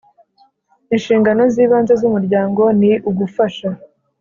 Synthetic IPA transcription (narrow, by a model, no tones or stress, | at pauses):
inʃiːŋɡano̞ziːβaːnze̞zumuɾɟaːŋɡo̞niʔuɡufaʃa